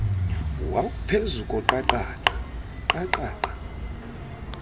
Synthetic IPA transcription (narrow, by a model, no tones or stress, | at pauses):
waupʰezukʼɔǃaǃaːǃaǃaǃaːǃḁ